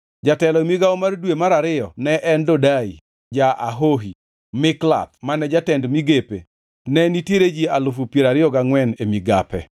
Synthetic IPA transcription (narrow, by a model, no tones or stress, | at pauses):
d͡ʒatɛlɔmiɡaɔmardwemaɾaɾɪjɔnɛʔɛndodaḭ | d͡ʒaʔaɦoɦi | mɪkla̰p̚manɛd͡ʒatɛndmiɡepe | nɛnitjeɾed͡ʒialʊfupjeɾaɾɪɔɡaŋwɛnemiɡa̰pɛ̰